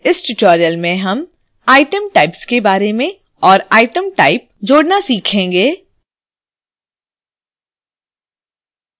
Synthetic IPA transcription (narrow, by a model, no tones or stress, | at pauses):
ɪsʈɪʈɔːɾijəlmẽɦɐm | aːɪʈəmʈaːɪpskebaːɾemẽ | ɔːɾaːɪʈəmʈaːɪp̚d͡ʒoːɽnasiːkʰẽːɡeː